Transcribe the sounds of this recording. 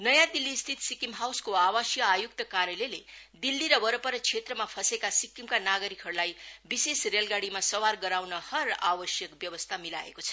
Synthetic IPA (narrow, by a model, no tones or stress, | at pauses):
nʌjãd̪ilːist̪ʰit̪sikimɦawskoawʌsjʌajuk̚t̪ʌkaɾjʌleled̪ilːiɾʌbʌɾʌpʌɾʌt͡sʰet̪rʌmapʰʌsekasikimkanaɡʌɾikʰɦʌɽlajbisesrelɡaɽimasʌwarɡʌɾawnʌhʌrabʌsjʌkbjʌwʌst̪ʰamila̰ḛkot͡sʰʌ̥